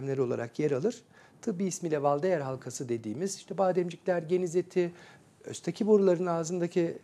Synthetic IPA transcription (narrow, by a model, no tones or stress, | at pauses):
mlʲeɾio̞lˠa̰ɾa̰kjɛɾalˠɯɾ̥ | t̪ʰɯbiːsmilʲɛvalˠd̪ajæɾɦalˠkʰasɯd̪e̞d̪iːmiziʃt̪ʰɛbaːd̪ɛmd͡ʒicʲlʲæɾɟe̞nizet̪ʰi | ø̰st̪ʰacʰibo̞ɾulˠaɾɯnaːzɯnd̪acʰi